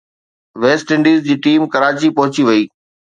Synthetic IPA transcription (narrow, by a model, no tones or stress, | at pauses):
ʋeːsʈɪ̃ɳɖiːzd͡ʑiːʈiːmkɐɾaːt͡ɕipɐɦʊt͡ɕiʋɐiː